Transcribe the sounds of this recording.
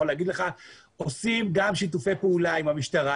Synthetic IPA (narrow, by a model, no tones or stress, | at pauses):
oleːɡid̪leχa | o̞simɡamʃit̬ufe̞jpeulaimhamiʃt̪aʁa